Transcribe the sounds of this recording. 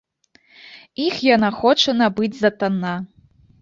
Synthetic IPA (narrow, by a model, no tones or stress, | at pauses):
ixjanaxɔt͡ʂɐnabɨd͡zʲzɐt̪anːa